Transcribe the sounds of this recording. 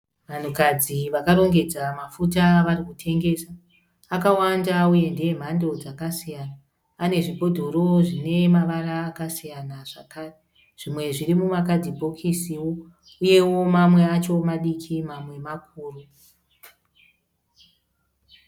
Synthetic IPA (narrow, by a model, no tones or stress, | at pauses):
ʋan̤ukad͡ziʋakaɾo̞ŋɡe̞d͡zamafutaʋarikutʰe̞ŋɡe̞saː | kawandauje̞ndem̤ando̞d͡zakasijanaː | ne̞ʐibʱo̞dʱo̞ɾo̞ʐine̞maʋaɾaːkasijanaʐ̥akaːre | ʐ̥imwe̞ʐirimumakad͡zibʱo̞kʰisiwo̞ | uje̞wo̞mamwe̞at͡ʃo̞maɗikʰimamwe̞mak̚ʰuːru